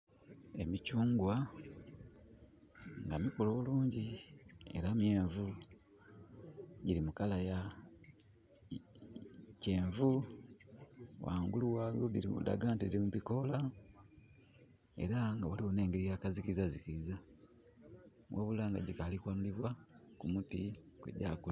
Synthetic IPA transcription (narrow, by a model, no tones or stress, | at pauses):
e̞̰micuːŋɡwa | ŋɡamikoloβuluːɲɟie̞̰ɾamjeːɱvu | ɟilimukalaja | ce̞ːɱvu | wa̰ːŋɡuluwaβjoβiɾḭṵda̰ɡaːntiiimuβiko̞la | e̞̰ɾaŋɡawaliwone̞ːŋɡeɾijakazikiizazikiiza | wʔaβulaːŋɡaɟikalikwaːnuliβwakumutikwḛɟa̰ːkul